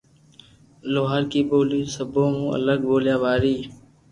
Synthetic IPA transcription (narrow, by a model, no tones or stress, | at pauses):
loːɦəɾkiːboːliːsəbʱõːɦũːə̰ləɡboːljaːʋaːɾiː